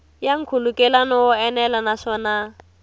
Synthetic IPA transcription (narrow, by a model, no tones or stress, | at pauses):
jaŋ̩kʰulukʼɛlanɔɔɛnɛlanaʂɔːna